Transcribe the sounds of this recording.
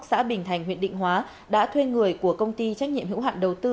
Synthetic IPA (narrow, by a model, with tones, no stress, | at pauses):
sa̰ː˧˥ɓï˨˩ŋ̟t̪ʰa˨˩jŋ̟ɦwi˧˨əɗḭ˧˨ŋ̟ɦwaː˨˦ | ɗa̰ː˧˥t̪ʰwe˧ŋɨ˨˩əjku˧˩əkə˧wŋ͡mt̪i˧t͡ɕa˦˥k̚ɲḭ˧˨mhɨ̰˧˥wa̰ː˧˨nɗə˨˩wt̪ɨ˧